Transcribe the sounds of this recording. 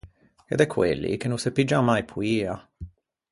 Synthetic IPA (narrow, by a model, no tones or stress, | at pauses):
ḛd̪ɛkʰːwḛlːḭk̟enːusepːid͡ʒamːajpʰuiːa